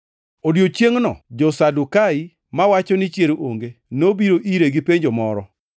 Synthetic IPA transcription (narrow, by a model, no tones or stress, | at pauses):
odjot͡ʃjeŋnɔ̰d͡ʒɔsadukai | mawat͡ʃɔnɪt͡ʃjeɾooŋɡenobiɾoʔiɾeɡipeɲd͡ʒomɔɾɔ